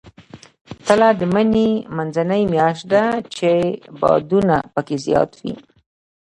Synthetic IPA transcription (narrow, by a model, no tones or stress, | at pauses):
t̪əlad̪əmənemanzanəjmjɑʃt̪̚d̪at͡ʃebɑ̰d̪unapəkezjɑ̰t̪wḭ